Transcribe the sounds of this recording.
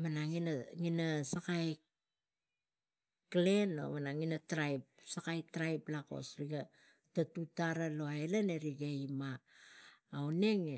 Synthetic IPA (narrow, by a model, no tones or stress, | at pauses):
manaŋinaŋinasakaj | kle̞no̰manaŋinatɾajp̚sakajtɾajplako̞̰sɾiɡa | tatutaɾalo̞aelaneɾiɡejmaː | wne̞ŋe